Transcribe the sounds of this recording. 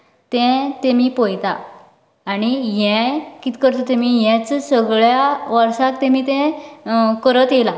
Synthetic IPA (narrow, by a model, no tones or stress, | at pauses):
t̪ɛ̃t̪emiːpojt̪a̰ː | ɽ̃ijɛ̃kiːt̪kəɾt̪ot̪emijɛ̃t͡ssəɡɭjaʋəɾʂãkt̪ɛmiːt̪ɛ̃ | kəɾət̪jela